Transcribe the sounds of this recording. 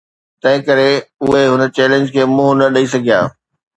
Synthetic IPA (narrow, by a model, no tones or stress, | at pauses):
t̪ɐ̃ɦɪ̃kɐɾeʊɦeɦʊnə̆t͡ɕɛːlẽɲd͡ʑkʰeːmʊ̃ɦʊnɐɗɐisɐɡʱija̰ː